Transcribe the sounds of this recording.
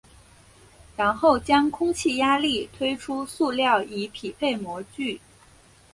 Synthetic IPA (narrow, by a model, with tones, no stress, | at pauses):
ɻa˧˥nxo˥˩ʊt͡ɕjɑ˥ŋkʰʊ˥ŋt͡ɕʰi˥˩ja˥li˥˩t̪ʰwe˥ɪʈ͡ʂʰu˥su˥˧ljɑ˥˩ʊi˧˥pʰi˨˩pʰe˥˩ɪmwɔ˧˥t͡ɕy˥˩